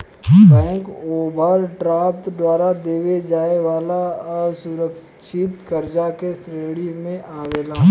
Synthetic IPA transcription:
bɛ̃ːŋkoːbʱəɾɖɾaːp̚t̪d̪ʋaːɾad̪eːʋed͡ʒaːeʋaːlasʊɾək | ʃɪt̪kəɾd͡ʒakesɾeːɽimẽʔaːʋeːlaː

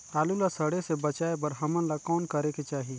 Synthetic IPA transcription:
aːlulasəɽesebət͡ʃaːebəɾɦəmənlakɔːnkəɾeket͡ʃaːɦi

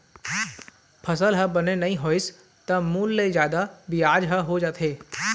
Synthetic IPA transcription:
pʰɐsəlɦəbɐnenɐɦĩɦoːɪs | t̪ɐmuːlːezjaːd̪abiaːd͡ʒɦəɦod͡ʒaːt̪ʰeː

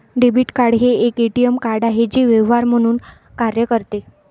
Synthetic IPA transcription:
ɖebiːʈkaɽɦeːkeʈijəmkaɾɖaɦed͡ʑiːʋeʋɦaɾm̤əɽ̃uːn | kaɾjəkəɾt̪e

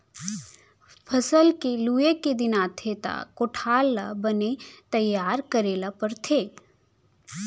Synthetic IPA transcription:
pʰɐsəlkeluːeked̪ɪnaːt̪ʰet̪a̰koʈʰaːlːa̰bɐnet̪ɐjːaːɾkɐɾeːlapɐɾt̪ʰeː

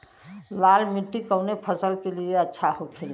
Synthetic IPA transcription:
lalmiʈːikəʊnepʰəsəlkelieətːʃʰaɦokʰel

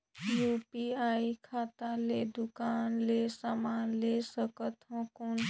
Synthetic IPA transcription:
jupiajkʰat̪aled̪ukanlesamanlesəkət̪ɦɔ̃kon

